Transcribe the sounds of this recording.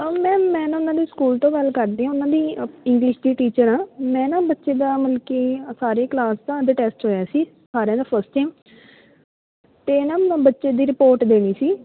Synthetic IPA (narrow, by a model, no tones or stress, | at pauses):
mɛ̃ːmɛ̃ːnãːʊnãːd̪iːskuːlt̪õːɡəlkəɾd̪iːɦãʊnãːd̪iːɪ̃ŋɡlɪʃd̪iːʈiːt͡ʃəɾãːmɛ̃ːnãːbətːʃeːd̪aːməlkeːsaːɾeːklaːst̪ãːd̪əʈɛːsʈɦoːjaːsiː | saːɾejãːd̪aːpʰəɾsʈʈeːm | t̪eːnãːbətːʃeːd̪iːɾɪpoːɾʈd̪eːɽ̃iːsiː